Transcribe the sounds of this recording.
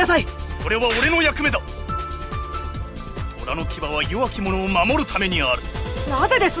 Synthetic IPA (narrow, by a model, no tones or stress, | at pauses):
asaiso̞ɾe̞βaoɾe̞no̞jakɯ̟me̞d̪a | oɾano̞kʲibaβ̞ajoβakʲimo̞no̞ːmamo̞ɾɯ̟t̪ʰame̞ɲ̟iaɾɯ̟naze̞d̪e̞sɨ